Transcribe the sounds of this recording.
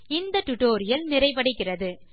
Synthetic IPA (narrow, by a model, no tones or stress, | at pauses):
ɪnd̪ɐʈʊʈoːɾɪjɐlnɪɾɐɪpɐɽɪkːɪrɐðɯ